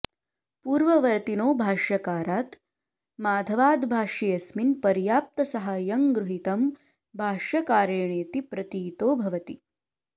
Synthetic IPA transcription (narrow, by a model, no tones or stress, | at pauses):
puːɾʋɐʋɐɾt̪inoːbʱaːʂjɐkaːɾaːt̪ | maːd̪ʱɐʋaːd̪bʱaːʂijɐsminpɐɾjaːp̚t̪ɐsɐɦajɐŋɡɾuɦit̪ɐm | bʱaːʂjɐkaːɾjɐɳeːt̪ipɾɐt̪iːt̪oːbʱɐʋɐt̪i